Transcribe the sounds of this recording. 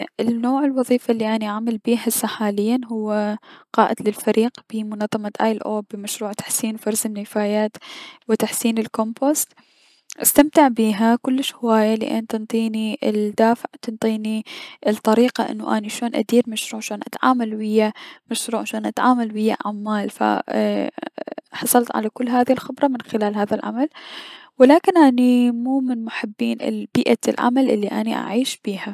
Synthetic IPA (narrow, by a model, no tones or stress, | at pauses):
ɪnnːoːʕɪlwɑðˤiːfalːiʔaniʔaʕmalbiːɦasːaħaːlɪjːanɦʊwːaqɑːʔɪd̪lɪlfaɾʔiːqb̥ɪmʊnɑðˤːɑmat̪ʔaːjlʔoːbɪmaʃɾuːʕt̪ḁħsiːnfɑɾˤzɪnːɪfaːjaːt̪wɪt̪aħsiːnɪlkombost̪ | ʔast̪amt̪ɪʕbiːɦakʊlːɪʃhɪwaːjalɪ̰ʔa̰nt̪ɨnt̪ˤiːnild̪aːfɪʕt̪ɪnt̪ˤiːniʔlt̪ˤɑɾiːqaʔɪ̰nːuʔaniʃoːnʔa̰d̪iːɾmaʃɾuːʕʃoːnʔat̪ʕa̰ːmalwɪjːamaʃɾuːʕʃoːnʔat̪ʕaːmalwɪjːa̰ʕamːaːlfa̰ | ħɑsˤɑlt̪ʕa̰lakʊlːɦaːðihilxɪbɾˤɑmɪnxɪlaːlɦaːðalʕa̰malwɪlaːkɪnʔanimuːmɪnmʊħɪbːiːnɪ̰lbiːʔalʕa̰malʔɪlːiʔanḭʔa̰ʕiːʃb̥iːha